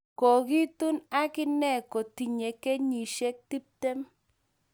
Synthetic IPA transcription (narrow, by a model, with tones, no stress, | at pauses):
ko˨ki˦tu˦na˦kɪ˦nɛ˨ko˨ti˨ɲe˨ke˦ɲi˨ʃe˦k̚ti˦p̚tɛ˦m